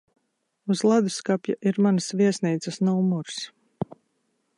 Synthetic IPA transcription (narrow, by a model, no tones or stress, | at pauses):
uzlˠad̪skapjaʔiɾmansvʲiɛsʲniːt̪səsnɔumɔɾs